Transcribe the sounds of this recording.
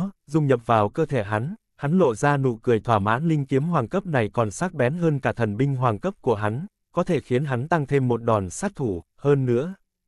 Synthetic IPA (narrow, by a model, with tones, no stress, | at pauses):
zʊ˧ŋ͡mɲə̰˨p̚vaː˨˩wkəː˧t̪ʰe˧˩ɦa˨˦n | ha˨˦nlo̰˧˨zaː˧nṵ˧˨kɨ˧˩əjt̪ʰwaː˧˩ma̰ː˨˦nlï˧ŋ̟ki˨˦əmhwaː˨˩ŋkə˦˥p̚na˨˩jkɔ˨˩nsaː˦˥k̚ɓɛ˨˦nɦəː˧nkaː˧˩t̪ʰə˨˩nɓï˧ŋ̟ɦwaː˨˩ŋkə˦˥p̚ku˧˩əɦa˨˦ŋ | kɔ˨˦t̪ʰe˧˩xi˨˦ənɦa˨˦nt̪a˧ŋt̪ʰe˧mːo˨˩t̚ɗɔ˨˩nsaː˦˥k̚t̪ʰu˧˩ | həː˧nːɨ̰˧˥ə